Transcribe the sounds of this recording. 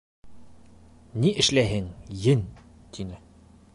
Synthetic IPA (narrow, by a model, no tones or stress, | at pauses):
niʔɘ̆ʃlæɦɘŋjɘn | t̪ʰinɘ